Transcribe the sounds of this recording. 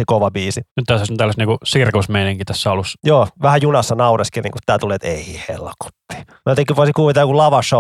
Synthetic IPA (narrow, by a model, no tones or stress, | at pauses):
ekoʋɑbiːsinyt̪t̪æsosont̪ælːæstniːŋkusirkosmeiniŋkit̪æsːæolusjoːʋæhæjunɑsːɑnɑureskinḭŋkut̪t̪ːæːt̪uleːt̪ḛihḛlko̥t̪ːi̥ | mot̪eŋkːˑiʋoˑisikuːʋit̪ɑːjokulɑʋɑʃo